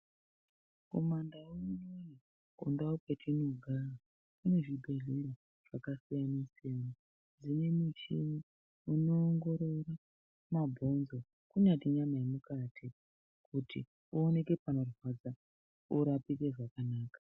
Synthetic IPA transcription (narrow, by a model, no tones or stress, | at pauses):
komandawounoji | ṵndaupe̞tʰinoɡʱara | kune̞ʐibʱe̞ɮiɾo | ʐ̥akasijaniseːmo | d͡zine̞mut͡ʃimi | uno̞ːŋɡo̞ɾo̞ra | mabʱo̞nzo | kuɲatiɲamajemukatʰi | kʰutʰḭ | uːne̞ke̞pano̞rwad͡za | uɾapikeʐakanaːkḁ